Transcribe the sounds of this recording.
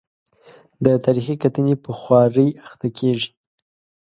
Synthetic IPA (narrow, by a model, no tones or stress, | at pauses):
d̪ət̪ɑɾixikat̪ənepəxwɑɾəjaxt̪akʰeʐi̥